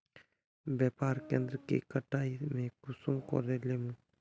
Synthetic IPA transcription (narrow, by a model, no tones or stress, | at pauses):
bjaːpaːɾkḛ̃ːnd̪ɾəkḭkəʈaːimẽkʊsʊmko̰ɾeleːmũ